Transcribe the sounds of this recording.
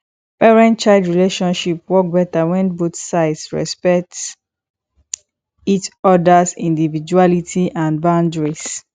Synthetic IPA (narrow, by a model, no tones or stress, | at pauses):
pɛɹɛ̃nt͡ʃaɪldɹileʃɔ̃nʃipwɔk̚bɛtawɛ̃nbotsaɪdsɹɛ̰spɛk̚t | itɔdasḭ̃ndivid͡ʒualitʰiʔãnbãʊ̃ndɹis